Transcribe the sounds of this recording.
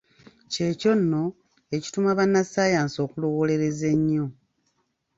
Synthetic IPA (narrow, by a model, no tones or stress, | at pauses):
ce̞ːco̞nːo̞ | e̞ci̥tumaβanːasaːjaːnso̞ːkulowole̞ɾe̞ze̞ɲːo̞